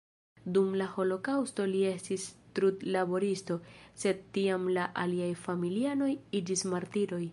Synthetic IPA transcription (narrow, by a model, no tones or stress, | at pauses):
dumlaho̞lo̞kawsto̞lie̞stistɾutlabo̞ɾisto̞se̞d̚tiamlaʔaliajfamiliano̞jid͡ʒismaɾtiɾo̞j